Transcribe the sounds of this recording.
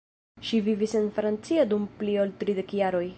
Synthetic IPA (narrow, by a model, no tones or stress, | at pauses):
ʃivivise̞nfɾant͡siadumplioltɾide̞kjaɾo̞j